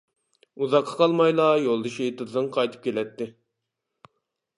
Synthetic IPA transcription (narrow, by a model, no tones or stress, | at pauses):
uzɑqʰːɑ̥qʰɑlˠmɑjlˠɑjolˠd̪ɨʃiet̪ɨzɨŋqʰɑjt̪ʰɨ̥p̚kʲʰelɛt̪ːɪ